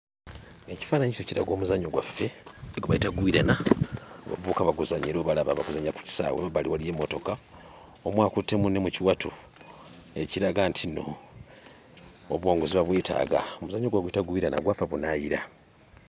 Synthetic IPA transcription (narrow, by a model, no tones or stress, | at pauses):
eci̥fanaɲiso̞ciɾaɡo̞ːmuzaɲoɡwafːeeɡoβaitaɡuiɾanaβa̰vukaβaɡuzaɲiɾoːβalaβaβaɡuzaɲaku̥ci̥sa̰wḛβaβaliwalije̞mːo̞to̞ka | omwaːkutːe̞munemuciwatʰu | eciɾaɡantʰino̞̰ | βwo̞ːŋɡoziβaβweːtʰa̰ːɡa̰omuzaɲoɡwaɡwitaɡuiɾana̰ɡwafeβunajiɾa